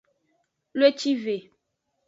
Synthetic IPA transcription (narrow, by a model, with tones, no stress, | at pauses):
lwe˦t͡ʃi˦ve˨